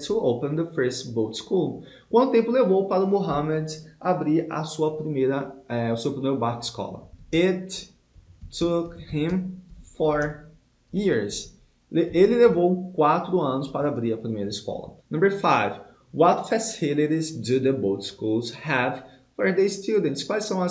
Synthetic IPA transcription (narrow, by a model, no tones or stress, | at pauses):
tʰuowpə̃nd̪əfɜ˞stbot̪skulˠ | kwɐ̃d̪ʊt̪ẽpʊlevowpaɾɐʊmoɦɐ̃mɛd̪abɾiɾɐ̰suɐpɾimejɾɐɛʊsewpɾimejɾʊbakɪ̥skɔ̰lɐ̰ɪtʰː | ukhɪ̃mfɔɹ | jiɹz | ʔelɪlevowkwat̪ɾʊɐ̃nʊspaɾɐabɾiɾɐpɾimejɾɐɪskɔ̰lɐ̰nɐ̃mbəɹfajv | wɔt̪fɛsilɪɾizd̪ud̪əbot̪skulˠzhɛv | fɔɹd̪est̪ud̪̃nt̪skwajsɐ̃w̃ɐ